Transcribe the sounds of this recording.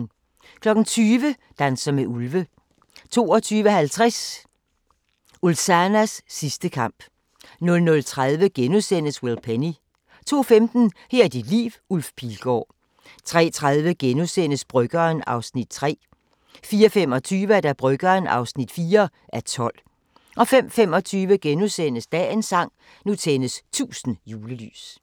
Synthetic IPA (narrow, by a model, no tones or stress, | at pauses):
kʰlɒ̽ɡ̥n̩t͡sʰyːʋə | d̥ænsɐmeʔulʋə | t͡sʰo̝̰ːɒ̽t͡sʰyːʋəhælt͡sʰʁɛs | ulsænæsːisd̥əkʰɑ̈m̰b̥ | nɔ̽lnɔ̽lt͡sʰʁaðˠʋəɡ̥enusen̰əswelpʰeni | t͡sʰo̝̰ːfemd̥n̩hɛɐid̥id̥lḭːʋulfpʰilɡ̥ɒ̰ː | t͡sʰʁɛ̰ːt͡sʰʁaðˠʋəɡ̥enusen̰əsb̥ʁœɡ̥ɐːnɑ̈ʊsnid̥̚t͡sʰʁɛ̰ː | fiːɐfem̰ɒ̽t͡sʰyːʋəæɐd̥æb̥ʁœɡ̥ɐːnɑ̈ʊsnid̥fiːɐ | ʔæɐt͡sʰɒ̽l̰ | ʔɒ̽fem̰femɒ̽t͡sʰyːʋəɡ̥enusen̰əsd̥ɛ̰ːe̝nsɑ̈ŋ̰ | nut͡sʰenəst͡sʰṵːsn̩juːləly̰ːs